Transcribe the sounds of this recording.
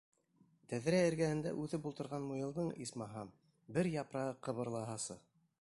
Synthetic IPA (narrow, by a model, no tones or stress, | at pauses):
t̪æðɾæɘ̆ɾɡæhɘ̆nd̪æ̰ʔʉðɘpulˠt̪ɤ̆ɾʁɑnmujɤ̆lˠd̪ɤɴismɑɦɑm | bɘɾjɑpɾɑqɤ̆βɤ̆ɾlˠɑɦɑsɤ̰